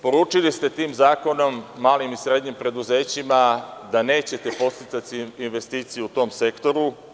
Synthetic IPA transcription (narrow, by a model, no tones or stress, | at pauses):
po̞ɾuːt͡ʂilist̪e̞t̪iːmzaːko̞no̞mːaːlimisɾe̞d̪ɲimpɾe̞d̪uze̞ːt͡ɕimad̪ane̞ːt͡ɕe̞t̪e̞po̞st̪it̪sat̪iinʋe̞st̪iːt̪sijuut̪o̞mse̞kt̪o̞ɾu